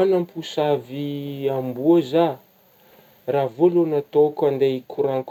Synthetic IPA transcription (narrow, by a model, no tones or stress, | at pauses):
anampʰusaviambuaza | ravolonat̪okand̪ekʰuɾaŋk